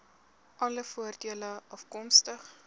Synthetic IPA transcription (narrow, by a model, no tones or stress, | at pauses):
ʔɐləfuərdiələɐfkɔmstəχ